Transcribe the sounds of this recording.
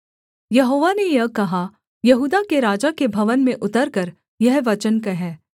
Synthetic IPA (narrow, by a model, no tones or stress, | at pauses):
jɐɦoːʋanejɐɦkɐɦa | jɐɦuːd̪akeɾaːd͡ʒakebʱɐʋənmẽʔʊt̪əɾkɐɾ | jɛɦʋɐt͡ʃənkeɦɛː